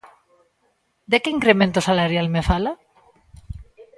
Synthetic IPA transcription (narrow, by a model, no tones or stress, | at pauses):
d̪ekeiŋkɾemẽnt̪osalaɾjalmefala